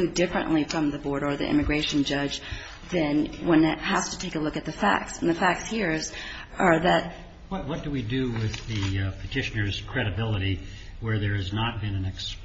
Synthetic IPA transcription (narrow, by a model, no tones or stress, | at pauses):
ʉdɪfɹɨ̰̃nʔlifɹʌ̃mðɨbɔɹɾə˞ðḭʔɪ̰̃mɨɡɹeɪʃɨ̃n̩d͡ʒʌd͡ʒ | ðɨ̃nwə̃nɨt̚hæz̥tʰɨ̥tʰeɪkəlʊkɨt̪̚ðɨfæ̰k̚tsn̩ðɨfæk̚tshiɹz | ʔə˞ðɨt̚ | wʌt̚wʌt̚d̥ɨwidɨwɪðɨpʰɨtʰɪʃɨnə˞z̥kʰɹ̥ɛɾɨbɪlˠəɾi | wə˞ðə˞ɨznət̚b̥ɨ̃nɨ̃nɨks